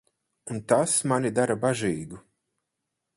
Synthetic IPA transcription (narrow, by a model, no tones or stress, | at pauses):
unt̪asmanʲid̪aɾabaʒiːɡu